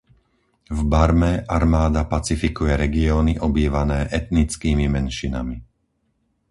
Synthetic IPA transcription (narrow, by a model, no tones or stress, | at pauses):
vbaɾmɛʔaɾmaːd̪apat͡sifikujɛɾɛɡiɔːniʔɔbiːʋanɛːʔɛt̪nit͡skiːmimɛnʃina̰mi